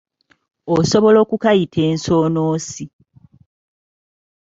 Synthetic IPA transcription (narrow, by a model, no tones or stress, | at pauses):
oso̞βo̞lo̞ːkukajitʰe̞ːnso̞ːnoːsi